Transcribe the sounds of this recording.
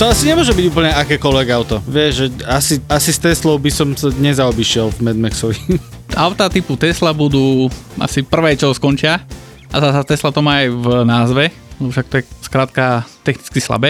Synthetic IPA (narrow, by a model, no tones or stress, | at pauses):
t̪ɔasiɲɛmʊɔʒɛbiɟuːpl̩ɲɛakɛːkɔlʋɛɡaʊt̪ɔʋɪɛʒɛasiasist̪ɛslɔʊbisɔmsaɲɛzaɔbiʃɪɛlvmɛd̪mɛksɔʋiʔaʊt̪at̪iput̪ɛslabud̪uːʔa̰sipr̩ʋɛːt͡ʃɔskɔnt͡ʃɪa | ʔazasat̪ɛslat̪ɔmaːjvnaːzʋɛ | lɛbɔfʃak̚t̪ɔjɛskɾaːt̪kat̪ɛxnit͡skisla̰bɛː